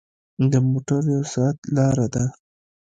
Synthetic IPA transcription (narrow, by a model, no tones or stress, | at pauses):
d̪əmoʈaɾjawsɑat̪lɑɾad̪a